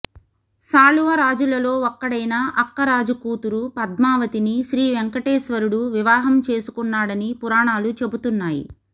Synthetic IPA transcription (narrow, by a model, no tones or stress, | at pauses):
saːluʋɐɾaːd͡ʒulɐlo̞ːɔkːɐɽɐjnaːʔɐkːɐɾaːd͡ʒukuːt̪uɾupɐd̪̚maːʋɐt̪iniʃɾiːʋeŋkɐʈeːʃʋɐɾuɽuʋiʋaːɦɐmt͡ʃe̞ːsu̥kunːaːɽɐnipuɾaːɳaːlut͡ʃe̞but̪unːaːjḭ